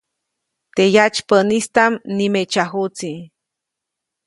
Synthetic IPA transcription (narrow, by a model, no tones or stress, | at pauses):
t̪ejat͡ʃpənist̪amnimet͡ʃaɦut͡si